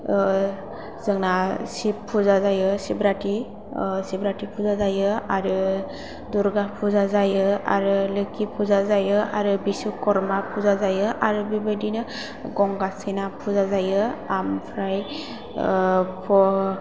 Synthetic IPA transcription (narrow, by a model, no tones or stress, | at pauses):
z̥ɯŋnasipʰːuzazajɯsibɾati | sibɾatipʰuzazajɯaɾɯ | duɾɡapʰuzazajɯa̰ɾɯlɯkipʰuzazajɯaɾɯbisukɔɾmapʰuzazajɯʔaɾɯbibɯdinɯ | ɡɔŋɡasenapʰuzazajɯampʰɾaj | pʰɔ